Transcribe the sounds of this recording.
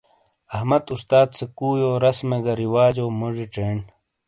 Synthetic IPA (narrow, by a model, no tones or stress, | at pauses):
ɐhmɐt̪ust̪aːt̪̚t͡sekuːjoːɾɐsmeɡɐɾiwaːd͡ʑoːmoʐiʈ͡ʂeːɳ